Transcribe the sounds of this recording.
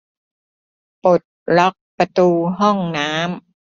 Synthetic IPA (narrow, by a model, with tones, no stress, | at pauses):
po˨˩t̪̚lɔ˦˥k̚pɾa˧t̪uː˧ɦɔ˥˩ŋnaː˦˥m